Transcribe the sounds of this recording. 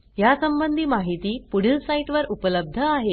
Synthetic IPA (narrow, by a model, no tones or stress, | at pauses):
jasəmbənd̪ʱiːmaɦit̪iːpuɽ̤əlsaiʈʋəɾupələb̚d̪ʱəaɦe